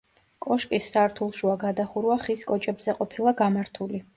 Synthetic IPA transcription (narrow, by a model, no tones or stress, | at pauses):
kʼɔʃkʼisːaɾt̪ʰulˠʃuaɡad̪aχuɾuaχiskʼɔt͡ʃʼɛbzɛqʼɔpʰilˠaɡamaɾt̪ʰuli